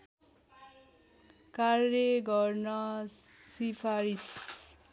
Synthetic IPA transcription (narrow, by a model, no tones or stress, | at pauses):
karʌɡʌrnʌsipʰaɾis